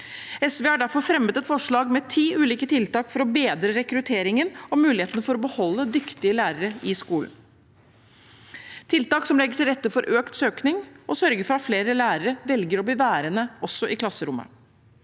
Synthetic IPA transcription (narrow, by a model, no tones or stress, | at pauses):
ɛsʋeːɑɖæɾfɔɾfɾɛmːət̪ɛt̪fɔʂɭɑːɡmɛt̪ʰiːʉːliːkət̪ʰɪlt̪ɑːkfɔɾɔbeːd̪ɾəɾɛkɾʉt̪ʰeːɾɪŋənɔmʉːlɪheːt̪ənəfɔɾɔbəhɔlːəd̪ʏkt̪ɪəlæːɾəɾəɪskuːln̩ | t̪ʰɪlt̪ɑːksɔmlɛɡːəʈʰɪlɾɛt̪ːəfɔɾʔøːkt̪søːknɪŋɔsœɾɡəɾfɔɾɑt̪fleːɾəlæːɾəɾəʋɛlɡəɾɔbləʋæːɾənəɔsːɔʔɪkʰlɑsːəɾʊmːə̰